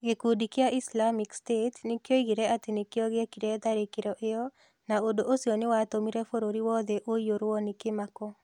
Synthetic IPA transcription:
ɡekudikɪaʔɪslamɪkstetnɪkjoiɡiɾeat̪ɪnɪkɪoɡɪekiɾed̪aɾekɪɾɔʔɪɔ | naodoʔosionɪwat̪omiɾefoɾoɾiwɔd̪eʔojoɾwɔnɪkɪmakɔ

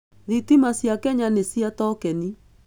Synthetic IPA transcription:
ðitimasjakɛɲanesiatɔkɛni

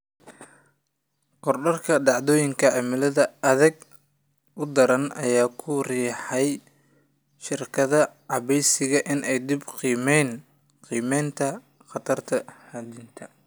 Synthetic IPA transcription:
qɔrɖɐrkʰɐɖɑʕðɔːjɪŋkʰɐʕɪmɪlɐðɐɐðɐɡ | ʔʊd̪ɐɾɐnʔɐ̰jaːkʰʊriːħɛj | ʃɪrkʰɐðɐʕɑβɛjsɪɣɐʔɪnʔɛjd̪ɪbqimɛːn | qiːmɛːnt̪ʰɐ | qɑt̪ʰɐrt̪ʰɐhɐd̪int̪ʰɐ

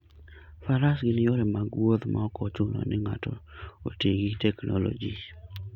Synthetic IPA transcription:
faɾasɡɪnɪjɔɾɛmaɡwot̪ma̰ɔkɔt͡ʃʊnɔ̰nɪŋa̰tɔo̰teɡitɛknɔlo̰d͡ʒi

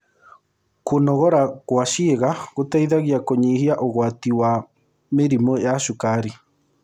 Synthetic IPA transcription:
konɔɣɔɾaɣwaʃieɣaɣotaiðaɣiakoɲihiaʔoɣwatiwa | meɾimojaʃokaɾi

